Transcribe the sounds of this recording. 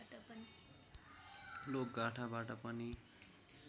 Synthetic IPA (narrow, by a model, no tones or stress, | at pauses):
ʈʌpʌni | lok̚ɡaʈʰabaʈʌpʌni